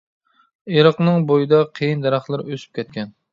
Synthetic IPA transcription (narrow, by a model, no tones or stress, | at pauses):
eɾəqnɨŋbojɨd̪ɑqʰejind̪ɛɾɑχlˠɨɾøsy̥p̚kʲʰɛt̪̚kʲʰɛn